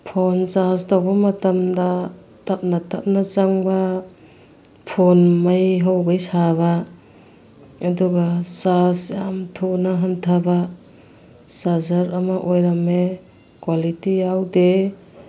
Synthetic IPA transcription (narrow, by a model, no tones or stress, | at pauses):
pʰonsastʰawbɐmɐtamda | tʰap̚natʰap̚nat͡ʃaŋba | pʰonmajɦawɡajsaβa | duɡasasjamtʰunaɦantʰaba | sazaɾamaʔojɾame | kwalitijawde